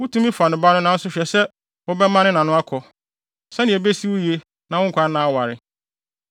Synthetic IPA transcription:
wʊ˦tʰũ˦mĩ˦fa˨nʊ̃˨ba˦nʊ̃˦nã˨˦n̩˦sʊ˦ɕᶣɛ˨sɛ˦ | wɔ˦bɛ˦mã˦nɪ̃˦nã˨nʊ̃˦a˦kʰɔ˨ | sɛ˦nɪ̃˨ɛ˨be˦si˦wʊ˦ji˨e˦ | nã˨wʊ̃˦˨kʰʷa˦nãː˦˨wa˨ɾɪ˨

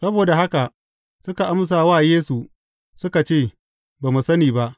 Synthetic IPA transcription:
sɐ˦boː˨da˨ɦa˦ka˨ | sʊ˦ka˨ʔa˦ms̬aː˨waː˦˨jeː˦su˨ | sʊ˦ka˨t͡ʃeː˦˨ | baː˨mu˨sɐ˦niː˨ba˦ʔ

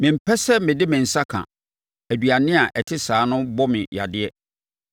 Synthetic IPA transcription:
mɪ̃˨m̩˦pʰɛ˦sɛ˦mɪ̃˨dɪ˦mɪ̃˨n̩˨sa˦kʰã̰˨ | æ˨du˨a˨nɪ̃˦a˨ʔɛ˨tʰɪ˦saː˨˦nʊ̃˦bɔ˦mɪ̰̃˨ja̰˨dɪ˦ɛ˦

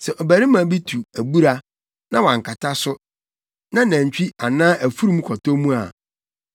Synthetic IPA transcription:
sɛ˨ʔɔ˨bæ˨ɾi˦mã˨˦bi˦tʰu˨æ˨bu˦ɾa˨ | nã˦wã˨ŋ˨kʰa˨tʰa˦sʊ˦ | nã˦næ̃˨ɲ˨t͡ɕᶣi˦a˨nãː˦ʔæ˨fu˦ɾu˦mũ˦kʰɔ˨tɔ˦mũ˦a̰˨

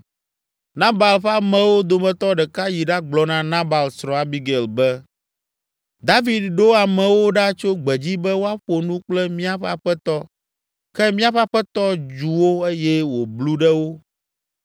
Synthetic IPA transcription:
nã˦ba˨lɸa˦mɛ̃˨wo˦d̪o˨mɛ̃˨t̪ɔ˦ɖɛ˨ka˦ji˨ɖa˦ɡ͡blɔ˨nã˦nã˦ba˨lsɾɔ̃˨a˨bi˦ɡe˨lbɛ˦ | d̪a˦vi˨d̪ɖo˦a˨mɛ̃˨wo˦ɖa˦t͡ʃo˦ɡ͡bɛ˨d͡ʑi˦bɛ˦wo˦a˦ɸo˨nũ˦k͡plɛ˦mĩ˦a˨ɸɛ˦a˨ɸɛ˦t̪ɔ˦ | kɛ˦mĩ˦a˦ɸa˦ɸɛ˦t̪ɔ˦d͡ʒu˨wo˦e˦jɛ˦wo˨blu˦ɖɛ˦wo˦

